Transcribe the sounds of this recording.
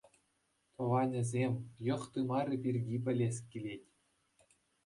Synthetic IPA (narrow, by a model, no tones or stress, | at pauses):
t̪ɤ̆ʋɑnʲɘ̆zʲemʲjɤ̆χt̪ɯmɑrʲɘ̆pʲirʲɡʲipʲɘ̆lʲesʲkʲilʲetʲ